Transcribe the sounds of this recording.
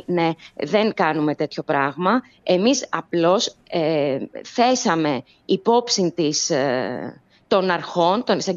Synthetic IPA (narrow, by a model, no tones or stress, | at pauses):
ne̞ðe̞ŋkɐnume̞t̪e̞t̪ço̞pɾɐɣmɐ | e̞misɐplo̞seθe̞sɐme̞ | ipo̞psint̪is | t̪o̞nɐɾxo̞nt̪o̞nesɐ